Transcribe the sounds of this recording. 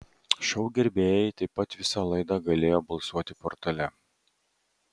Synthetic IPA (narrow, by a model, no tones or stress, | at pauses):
ʃʲɛʊɡʲɛɾʲbʲeːjɛɪt̪ɐɪpːɐt̪ʋʲɪsɐlˠɐɪd̪ɑɡɐlʲeːjoːbɐlˠsuɔt̪ʲɪpɔɾt̪ɐlʲɛ